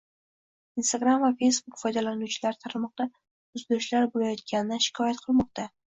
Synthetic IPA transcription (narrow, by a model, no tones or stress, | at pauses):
inst̪aɡɾamvafe̞jsbukfɒjd̪alanut͡ʃʰɪlaɾt̪ʰaɾmɒq̚d̪a | ʊzd̪ɵʃlaɾbolajɒt̪̚ɡʲanɪd̪aʃɪ̥kʰɒjat̪̚qʰɨlˠmɒq̚t̪a